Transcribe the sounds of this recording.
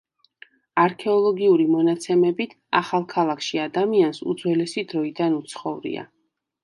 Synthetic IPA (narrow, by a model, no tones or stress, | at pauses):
aɾkʰɛɔlˠɔɡiuɾimɔnat̪sʰɛmɛbit̪ʰa̰χalˠkʰalˠakʰʃiad̪amiansṵd̪zwɛlɛsid̪ɾɔid̪anut̪sʰχɔvɾḭa̰